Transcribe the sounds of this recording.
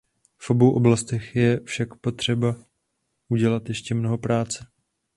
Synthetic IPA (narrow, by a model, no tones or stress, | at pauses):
fʔo̞bo̞wʔo̞blast̪ɛxjɛfʃakpo̞t̪r̝̥ɛba | ʔuɟɛlat̪jɛʃcɛmno̞ɦo̞pɾaːt͡sɛ